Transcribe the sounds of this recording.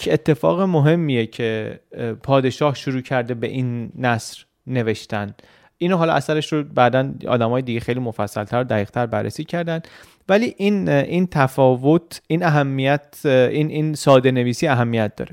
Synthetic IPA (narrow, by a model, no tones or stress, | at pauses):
et̪ʰːe̞fɒ̰ːɣemoɦe̞mːijecʰe̞pʰɒːd̪e̞ʃɒːhʃoɾuːcʰæɾd̪e̞be̞̰ʔinːæsɾ | ne̞ve̞ʃt̪ænd̪ | ʔiːnoɦɒːlɒ̰ʔæsæɾeʃɾobæd̪ænɒ̰ːd̪æmɒːjed̪iɟexejliːmo̞fæsːælt̪ʰæɾod̪æɣiːɣ̥̚t̪ʰæɾbærːḛsiːcʰæɾd̪ænd̪ | væliːʔinʔint̪ʰæfɒːvot̪ʔinæɦæmːijæt̪ʔinʔinsɒːd̪e̞ne̞viːsiːæɦæmːijæt̪̚d̪ɒ̰ːɾe